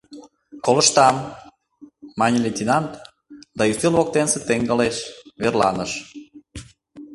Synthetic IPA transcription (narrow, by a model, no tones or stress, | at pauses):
koləʃt̪ɑm | ɑnʲelʲenʲt̪ʲinɑnt̪ | d̪ɑjyst̪elβok̚t̪ensĕt̪eŋɡəleʃβerlɑ̰nəʃ